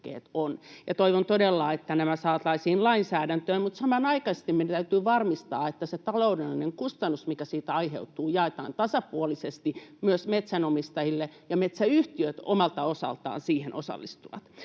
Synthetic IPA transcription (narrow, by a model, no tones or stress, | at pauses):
kḛːt̪onjɑt̪oiʋont̪odelːɑːet̪ːænæmæsɑːɑt̪lɑisiːnlɑinsæːdænt̪øːmmut̪sɑmɑnɑikɑse̥st̪imeiæt̪æyt̪yːʋɑrmist̪ɑːet̪ːæset̪ɑloudelːineŋkust̪ɑnːusmikæsiːt̪æɑiɦḛut̪ːˑuːjɑet̪ɑ̰ːnt̪ɑsɑpuolisest̪imyøsmet̪sænomist̪ɑjilːejɑmet̪sæyht̪iøt̪o̰mɑlt̪ɑosɑ̰lt̪ɑ̰ːnsiːhenʔo̰sɑ̰lːist̪uʋɑ̰t̪